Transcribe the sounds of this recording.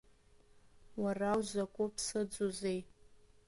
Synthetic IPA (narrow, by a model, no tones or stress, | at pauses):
warawʒʷakʷʼʊpʰsɨd͡zuzʷej